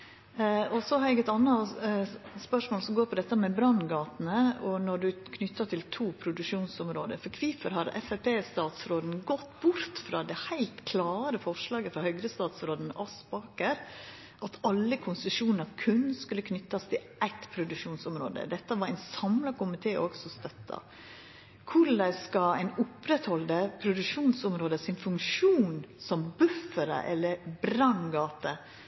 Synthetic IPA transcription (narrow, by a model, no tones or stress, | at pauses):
ɔsɔhɑɾɛɡɛt̪ɑnːɑ | spœʂmoːlsɔmɡoːɾpʰɔd̪ɛt̪ːəmɛbɾɑnɡɑːt̪nəɔnɔɖʉkʰnʏt̪ːɑt̪ʰɪlt̪ʰuːpʰɾʊd̪ʉʂuːnsɔmɾoːd̪ə̰fɔɾkʰʋiːfəɾhɑɾɛ̰fæpʰeːst̪ɑːt̪sɾoːd̪n̩ɡɔt̪ːbʊɾt̪fɾɑːd̪ɛhæɪlt̪kʰlɑːɾəfɔʂlɑːɡəfɾɑhœɡɾəst̪ɑːt̪sɾoːd̪n̩ɑspɑːkəɾ | ʔɑt̪ɑlːəkʰʊnsʉʂuːnnəkʰʉnːskʉlːəkʰnʏt̪ːɑst̪ʰɪlʔæɪt̪pʰɾʊd̪ʉʂuːnsʊmɾo̰ːd̪ə̰d̪ɛt̪ːəʋɑɾæɪnsɑmlɑkʰʊmɪt̪ʰeːʔoɡsɔst̪œt̪ʰːɑ̰ | kʰʊd̪æɪskɑæɪnʊpɾɛt̪hɔld̪əpʰɾʊd̪ʉʂuːnsʊmɾoːd̪əsɪnfʉŋkʂuːnsɔmbʉfːəɾə̰ʔɛlːəɾbɾɑnɡɑːt̪ə